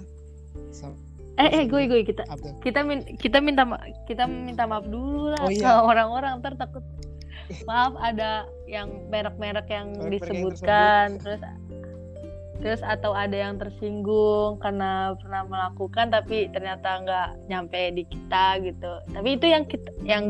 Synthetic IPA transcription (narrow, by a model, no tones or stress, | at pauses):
ɛahɡuɛɡuɛkit̪akit̪aminkit̪amint̪ama̰ | kit̪amint̪amaafdululaaoɾaŋoɾaŋt̪ərt̪akʊt̪̚ | maafada | jaŋ | meɾək̚meɾəkjaŋdisəbut̪̚kant̪əɾʊs | t̪əɾʊsat̪awadajaŋt̪ərsiŋɡʊŋkarnapərnahməlakukant̪apit̪ərɲat̪aŋɡaʔɲampajdiki̥t̪aɡit̪ut̪apiːt̪ujaŋkit̪jaŋ